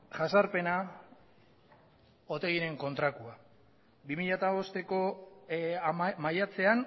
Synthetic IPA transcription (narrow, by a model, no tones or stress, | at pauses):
ʝasaɾpe̞na | o̞t̪e̞ɣine̞ŋko̞nt̪ɾakua | bimiʎat̪aβo̞st̪e̞ko̞ | majat͡se̞an